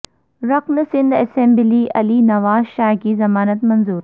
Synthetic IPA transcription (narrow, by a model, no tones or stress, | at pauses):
ɾɐqnsɪ̃nd̪ɐsẽmbliːʔɐliːnɐʋaːzʃaːkiːzɐmaːnət̪mɐnzuːɾ